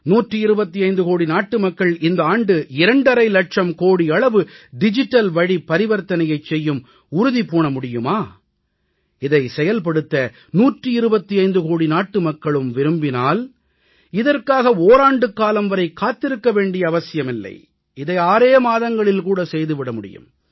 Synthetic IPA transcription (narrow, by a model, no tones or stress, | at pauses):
nuːʈriɪɾɯbɐt̪ːiɐɪnd̪ɯkoːɽinaːʈːɯmɐkːɐɭʔɪnd̪ɐaːɳɖɯɪɾɐɳɖɐɾɐɪlɐʈʂɐmkoːɽiɐɭɐʋɯɖɪd͡ʒɪʈːɐlʋɐɻipːɐɾɪʋɐɾt̪ɐnɐjɐɪt͡ʃsɛjːɯm | ʊɾʊðipoːɳɐmʊɽɪjɯmaː | ɪðɐɪsɛjɐlpɐɽɯt̪ːɐ | nuːʈriɪɾɯbɐt̪ːiɐɪnd̪ɯkoːɽinaːʈːɯmɐkːɐɭɯmʋɪɾɯmbɪnaːl | ɪðɐrkaːɣɐoːɾaːɳɖɯkːaːlɐmʋɐɾɐɪkːaːt̪ːɪɾɯkːɐʋeːɳɖɪjɐːʋɐsɪjɐmɪlːɐ̰ɪ | ɪðɐɪaːɾeːmaːðɐŋɡɐɭɪlkuːɽɐsɛjðɯʋɪɽɐmʊɽɪ̰jɯ̰m